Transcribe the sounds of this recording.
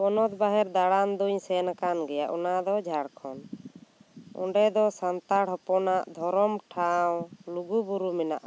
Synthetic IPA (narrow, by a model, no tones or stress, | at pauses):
pɔnɔt̪̚baɦɛɾd̪aɽand̪uɲsɛnakanɡɛjaʔɔnad̪ɔd͡ʒʱaɽkʰɔn | ɔ̰̃ɳɖɛd̪ɔsant̪aɽɦɔpɔnaʔd̪ʱɔɾɔmʈʰawluɡubuɾumɛnaʔa